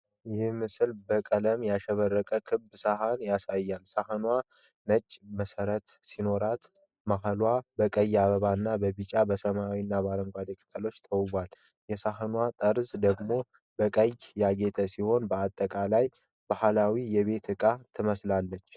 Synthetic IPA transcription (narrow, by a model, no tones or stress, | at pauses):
jɪhɪmɨsɨlbəkʼələmjaʃɛβərːəkʼəkʰɨbsaɦanjasajːalsahənwa | nət͡ʃʼːməsəɾət̪sino̞ɾat̪ | maɦəlwabəkʼəjːaβəβanːabəbit͡ʃʼabəsəmawinːabaɾəŋɡʷad̪ekʼʰɨ̥t̪ʰʼəlo̞t͡ʃːt̪ʰəwbʷal | jɛsaɦənwat̪ʼəɾzd̪əɡmo̞ | bəkʼəjjaɡe̞t̪ʰəsiho̞nbəat̪ʼːəkʼalaj | b̥ahalawijɛβe̞t̪ɨkʼat̪ʰɨməslalːət͡ʃː